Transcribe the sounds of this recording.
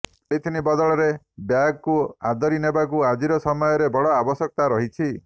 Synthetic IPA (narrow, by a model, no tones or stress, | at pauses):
eit̪ʰinibɔd̪ɔɭɔɾe | bjaɡɔkua̰d̪ɔɾinebakuad͡ʒiɾɔsɔmɔjɔɾebɔɽɔabɔsɔk̚t̪aɾɔɦit͡ʃʰi